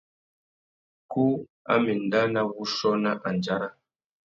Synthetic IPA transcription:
ku˦ | a̰˦mi˨n˨da˦na˦wu˦ʃɔ˦na˦ʔa˨n˨d͡ʒa˦ɾa˦

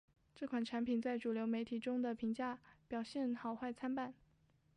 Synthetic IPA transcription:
ʈ͡ʂɤ˥˩kʰwa˨˩nʈ͡ʂʰa˧˥npʰi˨˩nt͡sa˥˩ɪʈ͡ʂu˨˩ljo˧˥ʊme˧˥ɪt̪ʰi˨˩ʈ͡ʂʊ˥ŋd̪ə˨pʰi˧˥ŋt͡ɕja˥˩pjɑ˨˩ʊɕjɛ˥˩nxɑ˨˩ʊxwa˥˩ɪt͡sʰa˥npa˥˩n

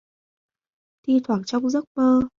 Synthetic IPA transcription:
t̪i˧t̪ʰwaː˨˩k̚t͡ɕɔ˧wŋ͡mzə˦˥t̚məː˧

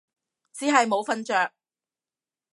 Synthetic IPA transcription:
t͡siː˨˥ɦɐ˨jmo˨˧wfɐ˧nt͡ʃœː˨k̚

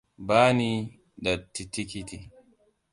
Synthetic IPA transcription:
baː˦ni˦ | da˨tːi˨ti˦ki˦t̪i˨

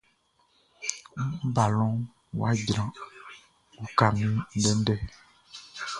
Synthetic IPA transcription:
ba˨lɔ̃˦ | wo̰˦a˦d͡ʒɾ̃ã˨ | wu˦ka˨mĩ˦ɖɛ˦n̩˦ɖɛ˦˨

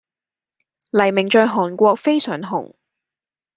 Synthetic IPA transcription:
lɐ˨˩jmɪ˨˩ŋt͡ʃɔː˧jɦɔː˨˩nkʷɔː˧k̚fe˥jsœː˨˩ŋɦʊ̰˨˩ŋ

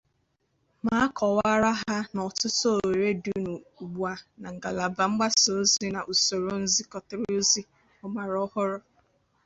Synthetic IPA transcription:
ma˦a˦kʰɔ˨wa˦ɾa˦ɦa˦nɔ˨tʊ˦so˦˨o˨ɾe˦du˦nu˨u˨ɡ͡bu˨a˨na˨ŋ̩˨ɡa˨la˨ba˨ŋ͡m̩˦ɡ͡ba˦so˨˦zi˦na˨ʔu˨so˨ɾo˨n̩˦zi˦kɔ˨tʊ˨ɾu˦zi˦ | ʊ˦ma˨ɾɔ˦hʊ˦ɾʊ˦

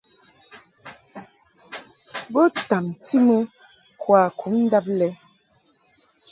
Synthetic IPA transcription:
bə˦ta˨m˨ti˦mə˦ | kwa˨kʰu˨˦mn̩˦da˦p̚lɛ˦

